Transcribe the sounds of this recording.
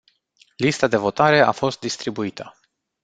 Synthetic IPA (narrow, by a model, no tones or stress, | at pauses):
list̪ad̪e̞vo̞t̪aɾe̞a̰fo̞st̪̚d̪ist̪ɾibuit̪ʰə